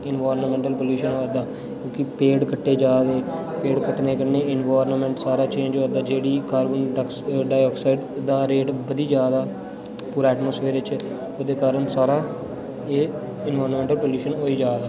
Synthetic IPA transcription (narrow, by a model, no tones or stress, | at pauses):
ɪnʋaːɾnmɛ̃ɳʈəlpəljuːʃənɦoːad̪aː | kjõːkɪpeːɖkəʈːeːd͡ʒaːd̪eːpeːɖkəʈneːkəneːɪnʋaːɾnmɛ̃ɳʈsaːɾaːt͡ʃẽːɲd͡ʒaːd̪aːd͡ʒeːɽiːkaːɾbənk | ɖaːjɔːksaɪɖd̪aːɾeːʈbəd̪iːd͡ʒjaːd̪aː | puːɾɛːʈmoːspʰeːɾt͡ʃ | oːd̪eːkaːɾəɳsaːɾaː | eː | ɪnʋaːɾnmɛ̃ːɳʈəlpəljuːʃənɦoːiːd͡ʒaːd̪aː